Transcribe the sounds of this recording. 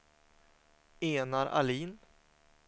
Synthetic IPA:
eːnaɾʔa̰liːn

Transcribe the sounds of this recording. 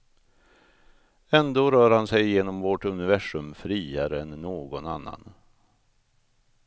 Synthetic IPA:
ɛnd̪oːɾœːɾhansɛjjeːnɔmvoʈɵnɪvæʂɵmfɾiːaɾəɛnːoːɡɔna̰nːa̰n

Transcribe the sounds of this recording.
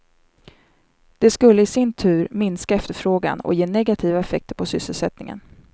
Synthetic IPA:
d̪̥ɛskɵlːəɪsɪnt̪ʰʉ̟ːɾmɪnskaɛft̪əɾfɾoːɡa̰nɔ̰jeːnɛɡat̪ʰiːvaɛfɛk̚t̪əɾpʰɔsʏsːəlsɛt̪nɪŋə̰n

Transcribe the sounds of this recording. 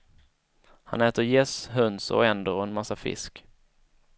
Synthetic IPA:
ha̰nɛːt̪əɾjɛsɦœnsɔ̰ɛnd̪əɾɔɛnmasːafɪ̰sk

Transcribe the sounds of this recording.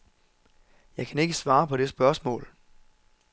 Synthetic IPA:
jɑ̈ɪkʰæne̝ɡ̥əsʋɑ̈ːpʰɒ̽de̝sb̥ɶɐsmɔ̰̽ːl

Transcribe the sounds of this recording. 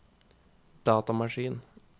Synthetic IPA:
d̪̥ɑːt̪ɑmɑʂiːn

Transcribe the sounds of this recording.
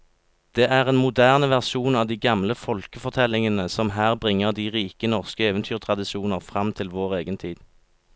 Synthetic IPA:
d̪̥eːʔæːʁeːnmʊd̪æːʁnəʋæʁʃuːnɑːʋd̪iːɡɑmləfɔlkəfɔʁt̪ʰɛlɪŋənəsɔmɦæːʁbʁɪŋːəʁd̪iːʁiːkənɔʁskəeːʋənt̪ʰyːʁt̪ʰʁɑd̪ɪʃuːnəʁfʁɑmt̪ʰɪlʋoːʁeːɡənt̪ʰiːd̪̥

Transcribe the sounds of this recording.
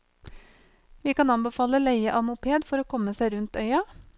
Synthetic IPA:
ʋiːkɑnɑnbəfɑːləlæɪəʔɑmʊpʰeːd̪fɔɾoːkʰɔməsæɪɾʉnt̪œʏɑ

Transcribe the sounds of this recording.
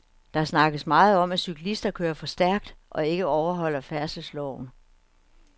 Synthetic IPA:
d̥ɑ̈æsnɑ̈ɡ̥əð̩ˠsmɑ̈ːð̞̩ˠɒ̽mæsykʰlisd̥ɐkʰøːɐfɒ̽sd̥æɐ̰ɡ̥̚d̥ʔɒ̽e̝ɡ̥əɒʊɐɦɒ̽l̰ɐfæɐsəslɒʊ̰n̩

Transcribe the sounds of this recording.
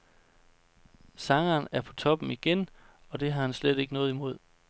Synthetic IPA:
sɑ̈ŋɐːnæɐpʰɒ̽t͡sʰɒ̽b̥m̩iɡ̥en | ɒ̽d̥e̝ɦɑ̈hænsled̥e̝ɡ̥ənɔ̽ːðˠimo̝ð̞̰ˠ

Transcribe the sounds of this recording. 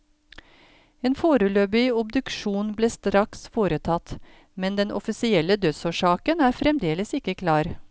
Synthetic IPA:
eːnfoːɾəløːbɪʊbd̪ʉkʃuːnbleːst̪ɾɑksfoːɾət̪ʰɑt̪ | mɛnd̪ɛnʔɔ̰fɪsɪɛlːəd̪œsoːʂɑːkənæːɾfɾɛmd̪eːləsɪkːəkʰlɑːɾ

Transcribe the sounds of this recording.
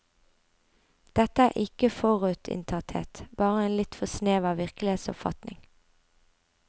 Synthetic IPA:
d̪̥ɛt̪əæːʔɪkəfɔʁʉːt̪ʰɪ̰nt̪ʰɑt̪hḛːt̪b̥ɑːʁəeːnlɪt̪fɔsneːʋɑːʋɪʁkəlɪheːt̪sɔ̰pfɑ̰t̪nɪŋ

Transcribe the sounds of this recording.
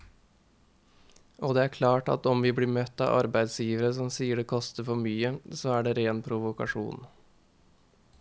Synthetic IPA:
ʔoːd̪ɛːæːɾkʰlɑːʈɑ̰t̪ɔmʋiːbliːmœt̪ːɑ̰ːʔɑ̰ɾbæɪd̪sjiːʋəɾəsɔmsiːəɖɛːkʰɔst̪əɾfɔɾmyːəsoːæːɖeːɾeːnpʰɾʊʋʊkɑ̰ʂṵːn

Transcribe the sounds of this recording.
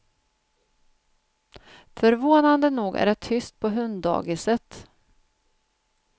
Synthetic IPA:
fœɾvoːnand̪ənuːɡæ̰ɾɖɛt̪ʰʏst̪̚pʰɔɦɵnd̪ɑ̰ːɡɪsət̪

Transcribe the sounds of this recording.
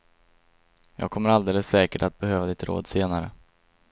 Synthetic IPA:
jɑ̰ːɡ̚kʰɔmːəɾald̪eːləsːɛːkəʈat̪̚bɛhøːvad̪ɪt̪ɾo̰ːd̪seːnaɾə̰

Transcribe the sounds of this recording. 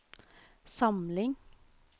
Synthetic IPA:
sɑmlɪŋ

